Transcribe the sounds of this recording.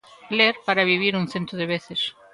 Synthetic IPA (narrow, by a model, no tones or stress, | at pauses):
leɾpaɾaβiβ̞iɾuŋθẽnt̪ɾʊðeβeθes